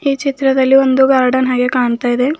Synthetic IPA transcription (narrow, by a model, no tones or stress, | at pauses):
iːt͡ʃit̪ɾɐd̪ɐlːiond̪uɡɐɾɐɖɐnɦaːɡekaːɳt̪aːjid̪e̞